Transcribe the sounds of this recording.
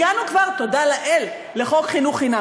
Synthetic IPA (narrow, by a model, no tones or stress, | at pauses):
anukvaʁt̪o̞dalaʔelː | eχo̞kχinuχina